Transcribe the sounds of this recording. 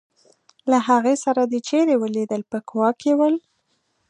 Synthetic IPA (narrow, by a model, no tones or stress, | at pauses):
laɦaɣesaɾad̪ət͡ʃeɾewəlid̪əlpəkwɑkewəl